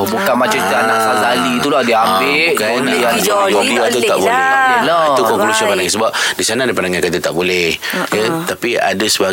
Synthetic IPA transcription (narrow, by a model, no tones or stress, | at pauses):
bukanmat͡ʃat̪anaʔsazalit̪ulahdiəambɪkanjad͡ʒd͡ʒodiat̪utt̪a̰ʔbolɛt̪alat̪ukɔŋklusɔpandaŋãsəbap̚disanadipandaŋãnkat̪ət̪aʔbolɛhjət̪apia̰dasəba